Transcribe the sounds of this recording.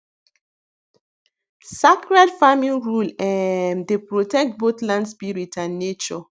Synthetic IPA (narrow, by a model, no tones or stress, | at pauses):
sakɹadfamĩnɹulɛ̃ndepɹotɛk̚t̚bot̪lãndspiɹitãnːet͡ʃɔ